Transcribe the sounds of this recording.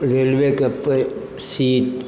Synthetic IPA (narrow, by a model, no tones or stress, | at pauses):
ɾeːlʋeːkəpː | siːʈ